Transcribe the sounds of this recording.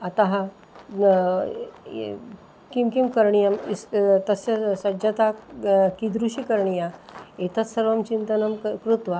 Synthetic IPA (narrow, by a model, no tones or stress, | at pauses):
at̪ãɦã | kimkimkəɾɳijamist̪əsasəd͡ʑat̪akid̪ɾuɕikəɾɳijaet̪ət͡ssəɾʋəmt͡ɕint̪ənəmkɾut̪ʋa